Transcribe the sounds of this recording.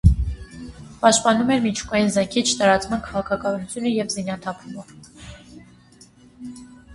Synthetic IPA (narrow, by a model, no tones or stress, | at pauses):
pɑʃt̪̚pɑnumɛɾmit͡ʃʰu̥kɑjinzɛŋkʰit͡ʃʰt̪ɑɾɑt͡smɑnkʰɑʁɑkʰɑkɑnut͡sʰjunəjɛvzinɑt̪ʰɑpʰuməv